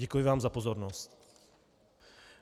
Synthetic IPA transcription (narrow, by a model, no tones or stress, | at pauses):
ɛkujɪvaːmzapozoɾnost̪